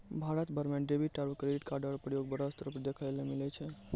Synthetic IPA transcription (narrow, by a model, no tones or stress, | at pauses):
bʱaɾət̪bʱəɾmẽɖebiʈaɾbəkːɾeɖiʈkaɾɖəɾpɾəjoɡ̚bəɾəst̪əɾəpɾd̪ekʰaelemilet͡ʃʰe